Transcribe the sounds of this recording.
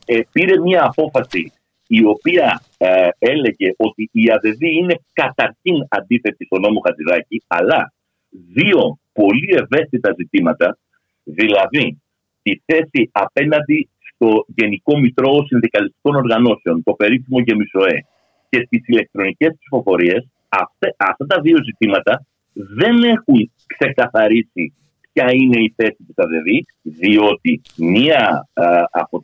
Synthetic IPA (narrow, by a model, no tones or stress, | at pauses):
piɾe̞miɐːpo̞fɐsiː | o̞piɐ | e̞le̞ʝe̞ʔo̞t̪iːɐðe̞ðiine̞kɐt̪ɐɾçinɐnd̪iθe̞t̪ist̪o̞no̞mo̞xɐt̪iɾɐciɐlɐ | ðio̞po̞lie̞ve̞st̪it̪ɐzit̪imɐt̪ɐ | ðilɐði | t̪iθe̞siɐpe̞nɐnd̪ist̪o̞ʝe̞niko̞mit̪ɾo̞ːsinðikɐlist̪i̥ko̞no̞ɾɣɐno̞seo̞nt̪o̞pe̞ɾifimo̞ʝe̞miso̞e̞ | ce̞st̪isile̞k̚t̪ɾo̞nice̞spsifo̞fo̞ɾie̞s | ɐft̪eɐft̪ɐt̪ɐðio̞zit̪imɐt̪ɐ | ðe̞ne̞xuŋ | kse̞kɐθɐɾisi | pçɐine̞iθe̞sipuθɐðe̞ði | ðio̞t̪i | miɐ | ɐ̰po